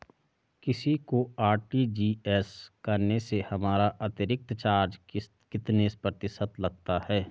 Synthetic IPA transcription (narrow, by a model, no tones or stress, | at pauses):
kɪsikoaːɾʈid͡ʒiːɛskɐɾnesehɐmaːɾaʔɐt̪ɪɾɪk̚t̪t͡ʃaːɾd͡ʒ | kɪt̪nespɾət̪ɪsət̪lɐɡ̚t̪ahɛː